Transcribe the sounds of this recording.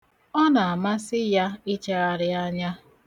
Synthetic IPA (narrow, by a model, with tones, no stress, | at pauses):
ɔ˦na˨a˨ma˦sɪ˦ja˦ɪ˦t͡ʃa˦a˨ɾɪ˦a˦ɲa˦